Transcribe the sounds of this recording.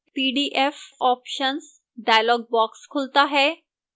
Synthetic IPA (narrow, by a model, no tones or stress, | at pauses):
piɖiʔefɔpɕəns | ɖajlɔɡ̚bɔkskʰult̪aɦe